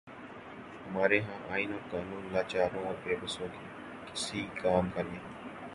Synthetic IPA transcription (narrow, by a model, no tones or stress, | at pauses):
həmaːɾeːɦãːʔaːinoːɾkaːnũːnlaːt͡ʃaːɾõːɔːɾpeːbəsõːkeː | kɪsiːkaːmkaliaː